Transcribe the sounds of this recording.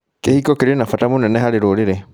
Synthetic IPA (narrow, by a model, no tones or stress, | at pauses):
kehikokiɾenafatamunɛneɦaliɾoliɾe